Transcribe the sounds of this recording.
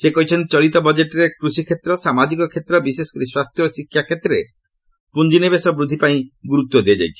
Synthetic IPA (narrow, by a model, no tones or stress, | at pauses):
sekɔɦit͡ʃʰɔnt͡ʃɔɭit̪ɔbɔd͡ʒeʈɾekɾusikʰet̪ɾɔsamad͡ʒikɔkʰet̪ɾɔbisesɔ̥kɾiswast̪ʰjɔsikʰjakʰet̪ːɾe | pund͡ʒinebesɔbɾud̪ʱːipaĩɡuɾut̪ːwɔd̪iad͡ʒa̰jt͡ʃʰi̥